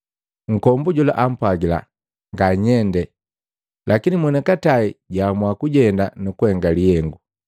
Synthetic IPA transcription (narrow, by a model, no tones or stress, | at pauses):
ŋ̩kɔmbuɟula̰ʔam̩pwaɡila̰ | ŋɡaɲɛndɛ | lakinimwɛnakataiɟamwakuɟɛndanukuhɛŋɡaliɛŋɡu